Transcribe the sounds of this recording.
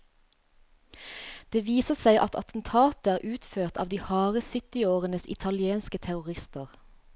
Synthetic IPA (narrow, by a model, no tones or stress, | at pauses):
d̪̥eːʋiːsəsæɪʔɑt̪ʰɑ̰t̪n̩t̪ʰɑːt̪əæːʁʔʉːt̪føːʁt̪ʰɑ̰ːʋd̪iːhɑːʁəsʏt̪ɪoːʁənəsɪ̰t̪ʰɑlɪeːnskət̪ʰæʁʊʁɪst̪əʁ